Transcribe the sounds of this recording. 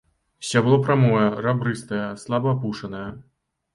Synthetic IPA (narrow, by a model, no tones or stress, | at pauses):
sʲablˠɔpɾamɔjɐrabɾɨst̪ɐjɐslˠabɐːpuʂɐnɐjɐ